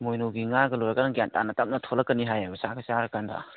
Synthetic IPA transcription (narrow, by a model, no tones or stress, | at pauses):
mojnoɡiŋaɡɐlɔjɾakanɡijanta̰natam̚nɐtʰɔlɐkːɐniɦajabɐsakasaɾɐkanda̰